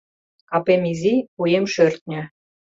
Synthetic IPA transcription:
kɑpemiziujemʃørt̪̚nʲɘ̆

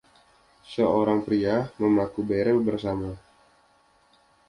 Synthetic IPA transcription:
səoɾaŋpɾiaməmakubeɾəlbərsama

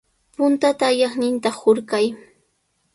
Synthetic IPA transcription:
pʊnt̪at̪aːjɑχnɪnt̪ahoɾkaj

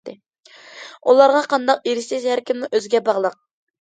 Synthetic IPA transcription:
d̪ɪ | ulˠɑɾʁɑqʰɑnd̪ɑqeɾɪsɪzhæɾkʲimnuʔøzɡʲɛbɑʁlˠəq̚

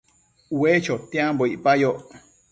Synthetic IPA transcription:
wet͡ʃot̪ĩãmboiʔpajoʔ

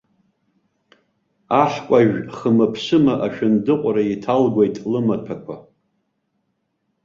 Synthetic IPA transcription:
aħkʷʼaʒᶣχəmɨpʰɕʷɨmaʔaʃᶣandɨqʷʼaɾaitʰalɡʷajtʼlɨmapʰakʷʰa̰

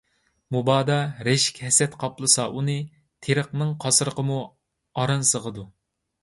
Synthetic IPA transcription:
mubɑːd̪ɑɾɛʃi̥kʲhɛsɛt̪qʰɑplˠɨsɑʔunɨ | t̪ʰeɾəqnɨŋqʰɑsɨɾəqʰəmu | ɑɾɑnsəʁəd̪u

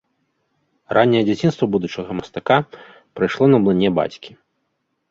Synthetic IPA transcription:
ranʲːɛjɛd͡zʲat͡sʲinst̪vɐbud̪ut͡ʂɐɣɐmɐst̪aka | pɾɨjʂlˠɔnɐblˠɨnʲːɛba̰t͡sʲkʲi̥

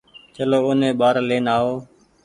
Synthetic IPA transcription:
t͡ʃəloːʊnẽːɓaːɾleːnaːɦoː

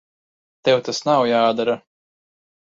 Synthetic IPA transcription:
t̪ɛwt̪asnawjaːd̪aɾa

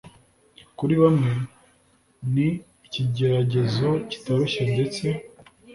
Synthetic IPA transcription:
kuɾiβamŋe̞ | niː | ciɟe̞ɾaɟe̞zo̞ci̥taβeʃendet͡se̞

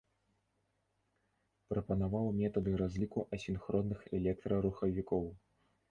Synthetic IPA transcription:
pɾɐpɐnavawmʲɛt̪ɐd̪ɨɾazʲlʲikuʔɐsʲinxɾɔnːɨxɛlʲɛk̚t̪ɾɐɾuxɐvʲikɔw

